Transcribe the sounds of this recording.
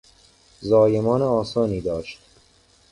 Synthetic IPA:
zɒːjemɒːneɒːsɒːniːd̪ɒːʃt̪̚

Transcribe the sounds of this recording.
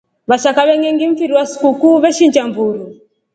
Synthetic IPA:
βaʃakaβɛŋɛŋɡiɱ̩fiɾiwasi̥kukuːβɛʃind͡ʒamvuɾu

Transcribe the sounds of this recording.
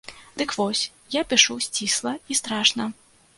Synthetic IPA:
d̪̥ɨkvɔsʲ | japʲiʂusʲt͡sʲislˠɐist̪ɾaʂnɐ

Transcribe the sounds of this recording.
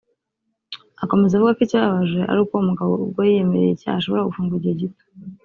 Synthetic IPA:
ako̞me̞zavuɡakiciaβaʒwe̞ʔa̰ɾuːkwoumuɡaβo̞̰ubɡwajije̞meɾejeca̰haʃo̞βo̞ɾaɡufuːŋɡuɟeɟito̥

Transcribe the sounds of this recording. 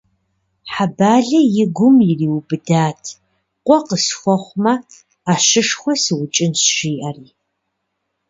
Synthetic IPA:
ħabaːɮɐjɪɡʷʊmjɪriːwbɨdaːtʰ | qʷʼɔqəsxʷɔχʷmɐ | aːʃɨʂxʷɔsɨwʊt͡ʃʼɪnsʃiːʔɐriː

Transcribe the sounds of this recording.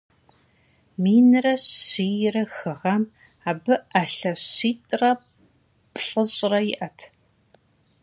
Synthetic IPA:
miːnɨrɐiːjɪrɐxɨʁɐm | aːbɨɐɬɐɕiːtʼrɐ | pʼɬʼəɕʼrɐjɪʔɐtʰ

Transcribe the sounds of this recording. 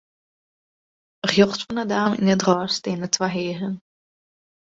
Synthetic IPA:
əχjɔχtfɔnədaːmḭnədrɔːsteːnətwaɦeːɣən

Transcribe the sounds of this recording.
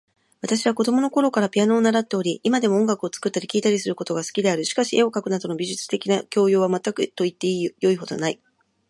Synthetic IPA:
β̞at̪aɕiβako̞d̪o̞mono̞ko̞ɾo̞kaɾapʲiano̞ːnaɾat̪ːe̞o̞ɾʲiʔimad̪e̞mo̞õŋɡakɯ̟ot͡sɨ̥kɯ̟t̪ːaɾʲikʲiːt̪aɾʲisɨɾɯ̟ko̞t̪o̞ɡasɨ̥kʲid̪e̞aɾɯ̟ɕi̥kaɕiʔe̞o̞kakɯ̟nad̪o̞no̞bʲiʑɨt͡sɨ̥t̪e̞kʲinakʲo̞ːjoːβamat̪ːakɯ̟t̪o̞it̪ːe̞ijo̞iɦo̞d̪o̞̰nai

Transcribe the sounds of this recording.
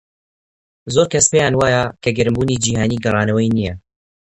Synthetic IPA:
zoːɾkʰɐspeːjaːnwaːjɐkʰɐɡɨɾɨmbuːnid͡ʒiːhaːniːɡɐrˤɑːnɐwɐjnijɐ

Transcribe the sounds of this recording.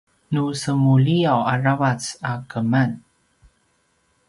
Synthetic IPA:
nusəmuliawarawat͡sakəman

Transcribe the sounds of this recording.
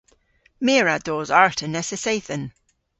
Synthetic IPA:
meːɹad̥ɔːzaɹtʰənɛsəsejθən

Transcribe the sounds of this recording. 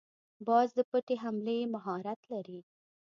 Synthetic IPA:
bɑzd̪əpəʈeɦamlemaɦɑɾat̪laɾi

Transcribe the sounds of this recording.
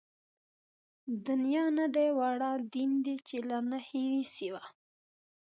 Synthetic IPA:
d̪ʊnjɑnad̪ajwaɽɑd̪ind̪it͡ʃelanahiwisiwa

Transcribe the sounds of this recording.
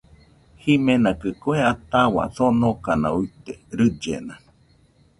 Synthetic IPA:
himenakɨkoeat̪awa̰sonokana̰uit̪eɾɨd͡ʒḛna

